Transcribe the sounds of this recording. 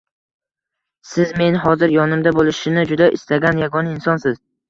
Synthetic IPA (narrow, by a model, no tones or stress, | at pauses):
sɪzme̞nɦɒzɪɾjɒnɪmd̪abolˠɪʃɪnɪd͡ʒʊd̪aʔɪst̪aɡʲanjaɡɒnaɪnsɒnsɪz̥